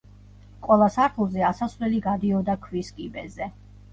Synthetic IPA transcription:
qʼwɛlˠasaɾt̪ʰlˠzɛasasvlɛliɡad̪iɔd̪akʰwiskʼibɛzɛ

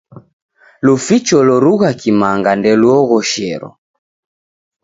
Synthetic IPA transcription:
lufit͡ʃɔlɔɾuɣakimaŋɡandɛluɔɣɔʃɛɾɔ̰

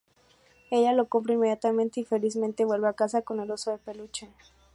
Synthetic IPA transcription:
e̞ʝalo̞komp̬ɾoinme̞ðjat̪amẽnt̪eifelizmẽnt̪e̞βwe̞lβeakasako̞nelosoðepelut͡ʃe

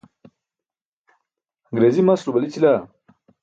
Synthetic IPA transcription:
ɡɾezimɐsɾubɐlit͡ɕila

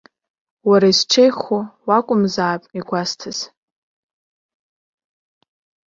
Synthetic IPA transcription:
waɾaisʈ͡ʂʰejχowakʷʼʊmzaːpʼiɡʷastʰɨz̥

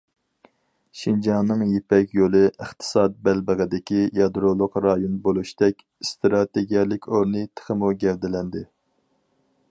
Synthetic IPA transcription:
ʃind͡ʒɑŋnːɨŋjepɛkʲjolˠɨəχt̪ʰɨ̥sɑd̪̚bɛlbəʁəd̪ɪkʲijɑd̪ɾolˠʊqɾɑjonbolˠuʃt̪ɛkʲ | st̪ɾɑt̪eɡʲijɛlˠɪkʲoɾnɨt̪ʰə̥χəmuɡʲɛld̪ɪlɛnd̪ɪ

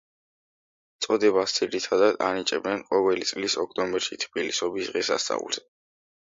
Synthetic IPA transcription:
t̪sʼɔd̪ɛβast̪sʰʼiɾit̪ʰad̪ad̪a̰nit͡ʃʼɛbnɛnqʼɔvɛlit̪sʼlisɔk̚ʰt̪ʼɔmbɛɾʃit̪ʰbilisɔbisʁɛsa̰st̪sʼa̰ṵlˠzɛ

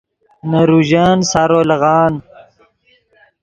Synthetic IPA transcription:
nɐɾuʑansaːɾoːlɐɣɑːn

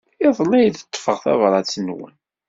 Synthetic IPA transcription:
eðˤnæjθə̥t̪ˤːfəʁθæ̰vɾˤɑt͡sːnwə̰n

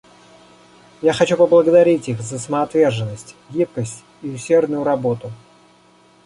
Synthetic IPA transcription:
jaxɐt͡ɕupəblˠəɡəd̪ɐɾʲitʲixzəsəməɐt̪vʲe̞rʐɨnːəsʲtʲɡʲip̚kəsʲtʲ | iʊsʲːe̞rd̪nʊjʊɾɐbo̞t̪ʊ

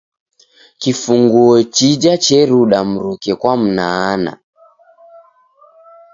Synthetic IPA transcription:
kifuŋɡuɔt͡ʃid͡ʒat͡ʃɛɾuɗam̩ɾukɛkwam̩naːna̰

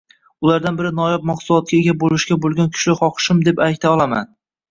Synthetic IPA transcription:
ʊlaɾd̪anbɪɾɪnɒjɒp̚mɒχsʊlˠɒt̪̚kʲaeɡʲabolɪʃɡʲabolˠɡʲankʰʊ̥ʃlɪχɒqʰɨ̥ʃɪmd̪e̞pak̚ʲt̪ʰaɒlˠama̰n

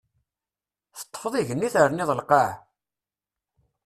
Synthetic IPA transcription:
θə̥t̪ˤːə̥fðˤiʝənːiθəɾniðˤəlqɑʕ

